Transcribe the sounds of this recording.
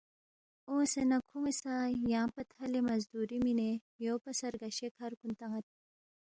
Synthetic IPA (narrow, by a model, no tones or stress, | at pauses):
oːsenɐkʰuŋesajãːpɐt̪ʰhɐlemɐzd̪uɾimine | joːpɐsɐɾɡɐɕekʰaɾkunt̪ɐŋɐt̪̚